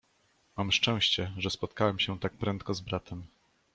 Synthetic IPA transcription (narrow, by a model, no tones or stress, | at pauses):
mamʂt͡ʂɛ̃w̃ɕt͡ɕɛʐɛspɔt̪kawɛmɕɛt̪ak̚pɾɛnt̪̚kɔzbɾat̪ʰɛm